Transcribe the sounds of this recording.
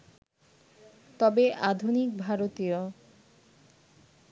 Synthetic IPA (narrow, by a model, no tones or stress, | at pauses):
t̪ɔbeʔad̪ʱunik̚bʱaɾot̪ijo